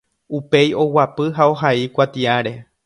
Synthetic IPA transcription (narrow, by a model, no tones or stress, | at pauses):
upe̞jo̞wapɨɦao̞ɦaikʷat̪iaɾe̞